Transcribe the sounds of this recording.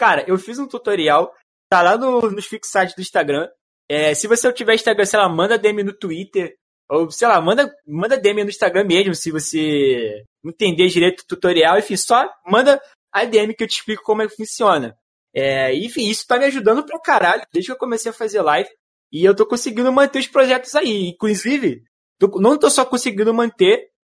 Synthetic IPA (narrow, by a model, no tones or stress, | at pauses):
kaɾɐʔewfizũt̪ut̪oɾiaw | t̪alanʊnʊʃfiksajt͡ʃɪzd̪ʊĩʃt̪aɡɾɐ̃ | ɛsɪvoset͡ʃivɛɾĩʃt̪aɡɾɐ̃sejlamɐ̃nd̪ɐd̪eẽminʊt̪uit̪eɾ | owsejlamɐ̃nd̪ɐmɐ̃d̪ɐd̪eẽminʊĩʃt̪aɡɾɐ̃mɛʒmʊ̃sɪvose | ĩt̪ẽnd̪ed͡ʒiɾejt̪ʊt̪ut̪oɾiawẽfĩsɔmɐ̃nd̪ɐ | ad̪eẽmɪkɪewt͡ʃɪ̥ʃplikʊ̥kõmʊɛkɪ̥fũsiõnɐ | ɛẽfĩisʊ̥t̪amiaʒud̪ɐ̃nd̪ʊpɾɐkaɾaʎʊd̪ejʒd͡ʒɪkewkõmesejɐfazelajvɪ | ɪewt̪okõsiɡĩnd̪ʊmɐ̃nt̪eʊʃpɾoʒɛt̪ʊzaiĩkluzivɪ | t̪onɐ̃w̃t̪osɔkõsiɡĩd̪ʊmɐ̃nt̪e